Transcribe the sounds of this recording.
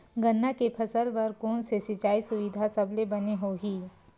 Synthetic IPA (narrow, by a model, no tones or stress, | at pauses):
ɡɐnːakepʰɐsəlpɐɾkoːnsesɪt͡ʃaːisʊʋɪd̪ʱasɐblebɐneɦoːɦiː